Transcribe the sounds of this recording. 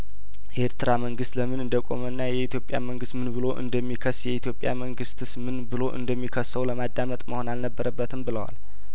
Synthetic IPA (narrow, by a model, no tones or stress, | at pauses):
ʔe̞ɾt̪ɨɾaməŋɡɨst̪ləmɨnɨnd̪əkʼo̞̰mənːajɛit̪ʰjo̞pʼja̰məŋɡɨst̪mɨnbɨlo̞ʔɨ̰nd̪əmːikʰəsjɛit̪ʰjo̞pʼja̰məŋɡɨst̪ʰɨsmɨnbɨlo̞ʔɨ̰nd̪əmːikʰəsːəwləmad̪ːamət̪ʼməho̞nalnəbːəɾəbːət̪ʰɨmbɨləwa̰l